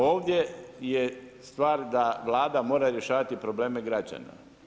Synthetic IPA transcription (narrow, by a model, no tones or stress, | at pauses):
o̞ːʋd̪ʲjejest̪ʋaːɾd̪aʋlˠaːd̪amo̞ːɾaɾje̞ʃaːʋat̪ipɾo̞ble̞ːme̞ɡɾad͡ʑa̰na̰